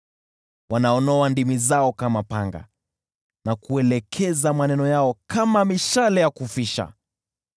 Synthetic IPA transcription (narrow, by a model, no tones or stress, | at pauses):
wʔanaɔnɔandimizaɔkamapaŋɡa̰ | nakuɛlɛkʰɛzamanɛnɔjaɔkamamiʃalɛjakufiʃa̰